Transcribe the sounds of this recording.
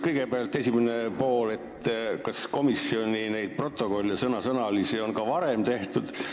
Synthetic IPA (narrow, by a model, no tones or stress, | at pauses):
kɤjɡe̞peɑlt̪ːˑe̞sʲimenepo̞ːle̞t̪kɑsko̞misːio̞nʲinejd̪̥̚pro̞t̪ːˑo̞ko̞lʲːjɑsɤnɑsɤnɑlisionkɑvɑɾe̞mt̪e̞ht̪ud̪̥